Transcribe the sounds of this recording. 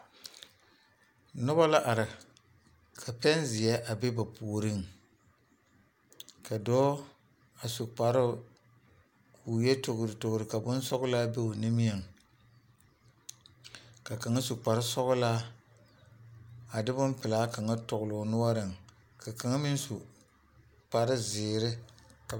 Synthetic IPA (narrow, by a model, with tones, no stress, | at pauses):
nʊ˦ba˦la˦ʔa˨ɾɪ˨ | kʰa˨pɛ˦n˦zɪ˨jɛ˦ʔa˨be˦ba˨pʰo˨ɾɨ˦ŋ | ka˨dɔː˦ | a˨su˨k͡pa˨ɾɨ˦ | kʰuː˨jɛ˦tʊ˨ɣʊ˨ɾɨ˨tʊ˨ɡʊ˨ɾɨ˨ka˨bʊ˦n˦sɔ˦ɣʊ˦laː˦be˦o˨nɪ˦mi˦ɛ˨ŋ | ka˨ka˨ŋa˦su˨k͡pa˨ɾɪ˦sɔ˦ɣʊ˦la˦ | a˨dɪ˦bʊ˦npɪ˨laː˦ka˨ŋa˦tʊ˨ɣʊ˨lʊ˨nʊ˦wa˦ɾɨ˨ŋ | kʰa˨ka˨ŋa˦mɪ˦n˦su˨ | k͡pa˨ɾɪ˦zɪː˨ɾɪ˦ka˨